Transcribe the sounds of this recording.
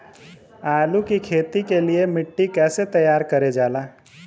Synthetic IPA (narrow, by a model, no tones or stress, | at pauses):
aːlukikʰeːt̪ikeliemɪʈːikɛːset̪əjaːɾkəɾed͡ʒaːlaː